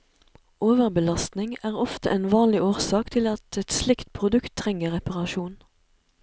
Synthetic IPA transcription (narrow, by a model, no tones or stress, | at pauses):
ʔoːʋəʁbəlɑst̪nɪŋæːʁɔft̪ə̰ʔeːnʋɑːnlɪoːʁsɑːkt̪ʰɪlɑt̪ɛt̪slɪkt̪̚pʰʁʊd̪ʉkt̪ʰːʁɛŋəʁɛpɑʁɑʃuːn